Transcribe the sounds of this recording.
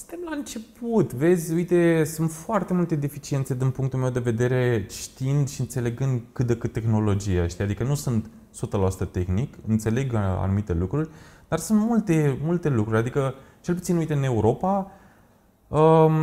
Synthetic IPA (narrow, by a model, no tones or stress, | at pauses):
st̪e̞mlaɨnt͡ʃe̞put̪ve̞d̪zʲujt̪e̞sunt̪foart̪e̞mult̪e̞d̪efit͡ʃient̪se̞d̪inpuŋkt̪ulme̞wd̪e̞ve̞d̪e̞ɾe̞ʃt̪iind̪ʃiɨnt̪se̞le̞ɡɨnd̪kɨt̪̚d̪ekɨt̪ːe̞xno̞lo̞d͡ʒijeʃt̪iad̪ikənusunt̪ | sut̪əlaasu̥t̪ət̪e̞xnikɨ̰nt̪se̞le̞ɡa̰numit̪e̞lukɾurʲd̪arsunt̪mult̪e̞mult̪e̞lukɾuɾʲad̪ikət͡ʃe̞lput̪sinujt̪eɨne̞uɾo̞pa | ə